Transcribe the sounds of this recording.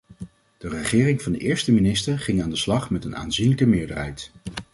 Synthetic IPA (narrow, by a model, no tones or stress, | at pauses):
d̥ərəχɪːrɪŋvɑndəʔɪːɹstəminɪstəɹχɪŋaːndəslɑχmɛtəna̰ːnzinləkəmɪːɹdəɹɦɛjt